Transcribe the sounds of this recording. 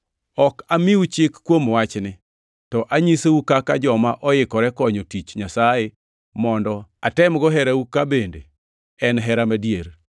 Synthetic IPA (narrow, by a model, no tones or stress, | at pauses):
ɔkamiut͡ʃɪkːwomwat͡ʃnɪ | tɔʔaɲiseukakad͡ʒɔmaʔɔjɪkɔɾɛkɔɲotit͡ʃɲasaje | mɔndɔa̰tɛmɡɔɦɛɾaukabendḛ | ɛnɦɛɾamadjeɾ